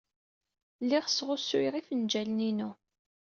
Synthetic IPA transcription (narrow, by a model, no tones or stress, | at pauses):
lːiʁsʁʊsʊɾiʁifənd͡ʒæləninu